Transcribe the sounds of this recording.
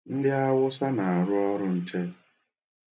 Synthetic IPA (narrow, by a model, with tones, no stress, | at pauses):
n̩˦dɪ˦a˦wʊ˦sa˦na˨a˨ɾʊ˦ɔ˦ɾʊ˦n̩˨t͡ʃe˦